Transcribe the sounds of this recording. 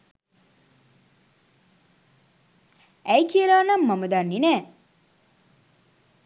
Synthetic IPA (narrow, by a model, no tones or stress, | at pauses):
æjkʰiəɾaːnɐmːɐməd̪anːinɛː